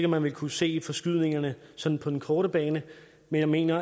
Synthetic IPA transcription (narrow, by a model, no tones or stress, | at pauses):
ɡ̥əmænʋe̝lkʰuse̝̰ːfɒ̽sɡ̥yð̞̰ˠne̝ŋɐnəsɒ̽d̥n̩pʰɒ̽d̥en̩kʰɒːɾəb̥ɛːnə | menjɑ̈ɪme̝̰ːnɐ